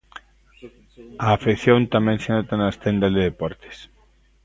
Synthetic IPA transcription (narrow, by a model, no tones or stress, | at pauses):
ɐːfiθjont̪amɛ̃ŋsenot̪anɐst̪ɛnd̪azðeðepɔɾt̪e̥s